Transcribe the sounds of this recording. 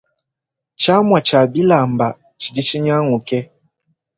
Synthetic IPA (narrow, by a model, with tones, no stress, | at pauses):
t͡ʃa˦mwa˨t͡ʃa˨bi˦la˨mba˨ | t͡ʃi˨di˦t͡ʃi˦ɲa˦ŋu˨kɛ˦